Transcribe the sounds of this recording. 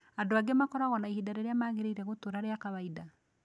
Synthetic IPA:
adoaɡemakɔɾaɣɔnaihidaɾeɾeamaːɣeɾeiɾɛɣotoɾaɾeakaβaida

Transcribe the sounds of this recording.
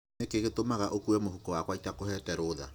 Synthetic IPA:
ekeɣetomaɣaʔokuɛmohukɔwakwaitakohɛtɛɾoða̰

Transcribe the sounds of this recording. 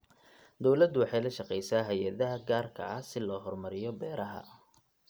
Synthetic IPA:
d̪ɔwlɐd̪ʊwɑħɑjlɐʃɑqɛjsaːɦɛjɐðɐɦɐɡaːrkʰɐ̰ɐhsɪlɔːɦɔrmɐɾɪjɔbɛːɾɐɦɐ̰

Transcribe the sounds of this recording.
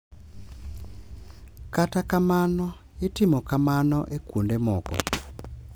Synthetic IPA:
katakamanɔ | etimɔkamanɔʔekundemɔkɔ̰

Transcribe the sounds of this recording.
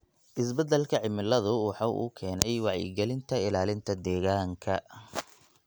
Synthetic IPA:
ʔɪs̬bɐd̪ɛlkʰɐʕɪmɪlɐðʊwɑħɑːʔṵːkʰɛːnɛjwɑʕjɛ̰ɡɛlɪnt̪ʰɐɪlaːlɪnt̪ʰɐd̪ɛːɣaːŋkʰɐ

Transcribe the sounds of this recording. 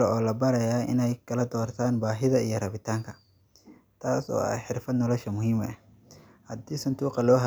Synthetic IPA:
lɔɔːlɐbɐɾɐjaːʔɪ̰nɛjkʰɐlɐd̪ɔːrt̪ʰaːnbaːɦɪðɐijɞrɐβɪt̪ʰaːŋkʰɐ | t̪ʰaːsɔ̰ːɐ̰ħɪrfɐd̪nɔlɔʃɐmʊɦiːmɛh | hɐd̪iːsɐnd̪uːqɑlɔːɦɐ

